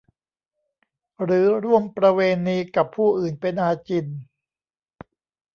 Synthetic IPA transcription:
ɾɯː˩˦ɾu˥˩əmpɾa˧weː˧nːiː˦˥ka˨˩pʰuː˥˩ʔɯː˨˩npe˧nʔaː˧t͡ɕi˧n

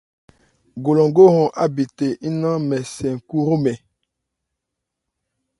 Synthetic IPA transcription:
ɡo˨lɔ̃˨ŋɡo˦hɔ̃˨ʔa˦bi˨te˨ʔi˦nã˦mɛ˨sɛ̃˨ŋ˨ku˦ɾo˦mɛ̃˨

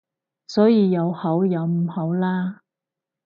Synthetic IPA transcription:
sɔː˨˥jiː˨˧jɐ˨˧whɐ˨˥wjɐ˨˧wm̩˨˩ho˨˥wlaː˥

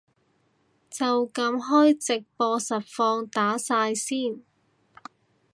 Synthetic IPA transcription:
t͡sɐ˨wkɐ˧mɦɔː˥jt͡sɪ˨k̚pɔː˧sɐ˨t̚fɔː˧ŋt̪aː˨˥saː˧jsiː˥˩n

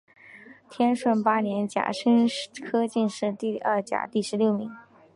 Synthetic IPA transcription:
t̪ʰjɛ˥nʂwə˥˩npa˥njɛ˧˥nt͡ɕja̰˨˩ʂə˥nkʰɤ˥t͡ɕi˥˧nʂɻ̩˥˧t̪i˥˧ɐ˥˩t͡ɕja̰˨˩t̪i˥˩ʂɻ̩˧˥ljo˥˩ʊmi˧˥˦ŋ

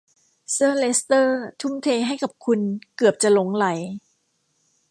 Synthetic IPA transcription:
sɯ˥˧le˦˥st̪ɤː˥˩t̪ʰu˧˥˩mt̪ʰeː˧ɦa˥˩jka˨˩p̚kʰu˧nkɯ˨˩əp̚t͡ɕa˨˩lo˨˦ŋla˩˦j

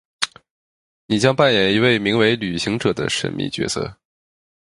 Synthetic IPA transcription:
ni˨˩t͡ɕjɑ˥ŋpa˥˩njɛ˨˩ni˧˥we˥˩ɪmi˧˥ŋwe˧˥ɪly˨˩ɕi˧˥ŋʈ͡ʂɤ˨˩d̪ə̰˦ʂə̰˧˥nmḭ˥˩t͡ɕɥɛ̰˧˥sɤ̰˥˩

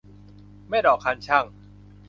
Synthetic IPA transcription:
ma˥˩dɔː˨˩kʰːa˧nt͡ɕʰa˥˩ŋ

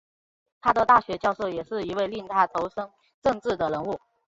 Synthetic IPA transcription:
t̪ʰa˥d̪ə˨t̪a˥˩ɕɥɛ˧˥t͡ɕjɑ˥˧ʊʂo˥˩ʊjɛ˨˩ʂɻ̩˥˩i˧˥we˥˧ɪli˥˩ŋt̪ʰa˥˩t̪ʰo˧˥ʊʂɤ˥ŋ | ʈ͡ʂɤ˥˧ŋʈ͡ʂɻ̩˥˩d̪ə˩ɻə˧˥nu˥˩

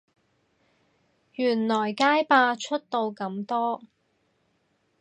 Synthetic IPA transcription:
jyː˨˩nlɔː˨˩jkaː˥jpaː˧t͡ʃʰɵ˥t̚t̪o˧wkɐ˧mt̪ɔː˥

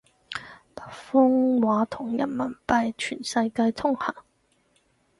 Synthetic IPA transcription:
la˨˩fʊ˥ŋwaː˨˥t̪ʰʊ˨˩ŋjɐ̰˨˩nmɐ˨˩npa˧jt͡ʃʰy˨˩nsa˧jka˥jt̪ʰʊ˥ŋha˨˩˦ŋ

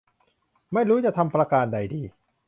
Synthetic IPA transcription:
ma˥˩jɾuː˦˥t͡ɕa˨ʔt̪ʰa˧mpɾa˧kaː˧nda˧jdiː˧

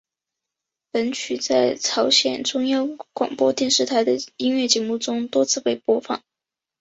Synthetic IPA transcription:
lə˧˥nt͡ɕʰy˨˩t͡sa˥˩ɪt͡sʰɑ˧˥ʊɕjɛ̰˨˩nʈ͡ʂʊ˥ŋjɑ˥ʊkwɑ̰˨˩ŋpwɔ˥t̪jɛ˥˧nʂɻ̩˥˩t̪ʰa˧˥ɪd̪ə˧i˥nɥɛ˥˩t͡ɕjɛ˧˥mu˥˩ʈ͡ʂʊ˥ŋt̪wɔ˥t͡sʰɹ̩˥˧pe˥˩ɪpwɔ˥fɑ̰˥˩ŋ

